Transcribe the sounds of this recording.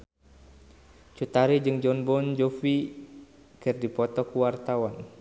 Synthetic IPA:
t͡ʃut̪aɾid͡ʒɨŋd͡ʒɔnbɔnd͡ʒɔfi | kɨrdipɔt̪ɔkuwart̪awan

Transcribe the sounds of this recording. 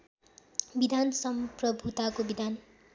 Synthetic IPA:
bid̪ʱansʌmprʌbʱut̪akobid̪ʱan

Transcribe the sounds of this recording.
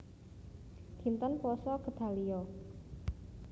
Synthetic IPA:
ɡ̥int̪ənpɔsɔkə̤t̪a̤liɔ

